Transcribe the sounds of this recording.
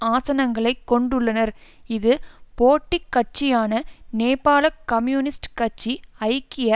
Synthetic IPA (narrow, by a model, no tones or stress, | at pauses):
aːsɐnɐŋɡɐɭɐɪkːɔɳɖɯɭːɐnɐɾɪðɯpoːʈːɪkːɐʈ̚t͡ʃɪjaːnɐneːpaːlɐkːɐmjuːnɪsʈkɐʈ̚t͡ʃːiɐɪkːɪjɐ